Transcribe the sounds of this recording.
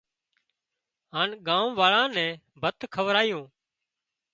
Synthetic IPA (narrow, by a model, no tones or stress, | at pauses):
ɦaːnɠãːũʋaːɭãːnɛ̃ː | bʱət̪kʰəʋɾaːjõː